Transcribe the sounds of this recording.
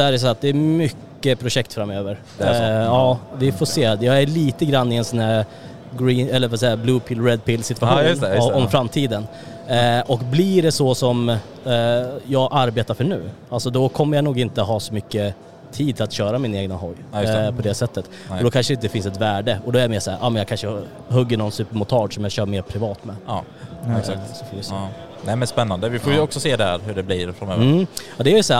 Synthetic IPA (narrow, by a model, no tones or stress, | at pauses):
æːɾɛs̬at̪̚d̪ɛːmʏkːəpʰɾʊʂɛkt̪fɾamøːvəɾ | ɑːd̪ɪfɔseːd̪jɑːɡæɭiːt̪əɡɾanːɪɛnsɔnæɾ | ɡɾiːnɛlːəɾvasɛjːablʉːpʰɪːlɾɛd̪̚pʰɪlsɪt̪vaɧuːnɔmfɾamːt̪ʰiːd̪ən | ʔɔkbliɖɛsɔsɔm | jɑːɡʔaɾbeːt̪aɾfœɳʉ̟̰ː | alsɔd̪ɔkʰɔmːəjanuːɡɪnt̪əɦɑːsɔmʏkːə | t̪ʰiːd̪t̪ʰɪlat̪ɕœːɾamɪneːɡnaɦɔɡːjpʰɔd̪ɛsɛt̪ːət̪ | ɔd̪ɔkʰanʂəɾɪnt̪əfɪnsɛt̪væːɖəɔd̪ɔɛæjɛmeːʂɔæ̰ːɾʔɑːmɛnjɑaɡkʰanʂə | ɦɵɡːəɳɔnsʉːpəɾmʊt̪ʰɑːɖsɔmjɑːɡɕœːɾmeːɾpʰɾɪvɑːt̪mɛ | kak̪sɔfoːvɪs | nɛmɛnspɛnːand̪əvɪfoːjɵɔksɔseːd̪ɛæɾhɵɖɛbliːɾfɾanœːvɑd̪ɛæɾjəsæː